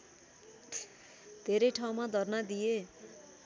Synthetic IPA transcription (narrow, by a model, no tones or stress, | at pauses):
d̪̥ʱeɾʌjʈʰaw̃mad̪ʱʌrnad̪ije